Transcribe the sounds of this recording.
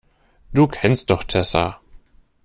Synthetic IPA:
d̥uːkʰɛnst̚d̥ɔχtʰɛsa̰

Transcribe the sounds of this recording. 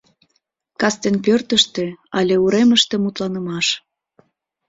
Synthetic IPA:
kɑst̪enpørt̪əʃt̪eɑlʲeuɾeməʃt̪ĕmut̪lɑnə̆mɑʃ

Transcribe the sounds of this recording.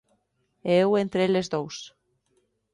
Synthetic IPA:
eewent̪ɾeelezðows

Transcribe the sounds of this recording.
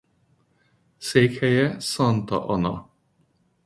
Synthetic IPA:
seːkhɛjɛsɑnt̪ɒ̰ʔɒnɒ̰

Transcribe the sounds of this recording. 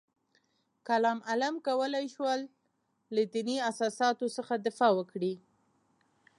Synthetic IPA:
kalɑmalamkawəlajʃwəlː | ad̪iniasɑsɑt̪osəxad̪ɪfɑwəkɽi

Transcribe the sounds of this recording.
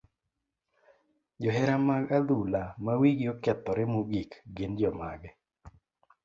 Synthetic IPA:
d͡ʒɔɦɛɾamaɡad̪ulamawiɡiokɛt̪ɔɾɛmuɡikɡind͡ʒɔma̰ɡɛ

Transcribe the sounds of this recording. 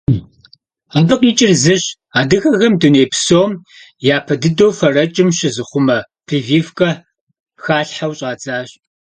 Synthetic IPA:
apʼɨqʼiːt͡ʃʼɪrzɨɕ | aːdɨxɐɣɐmdɨneːpsoːm | jaːpʰɐdɨdoːwfɐrɐt͡ʃʼɪmɕɪzɨχʷʊmɐ | pʰiviːfkʼɐ | xaːɬħawɕʼaːt͡sʼaːɕ

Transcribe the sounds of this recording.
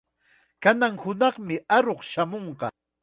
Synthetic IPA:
kanaŋhʊnɑχmɪaɾoχʃamoɴqɑ

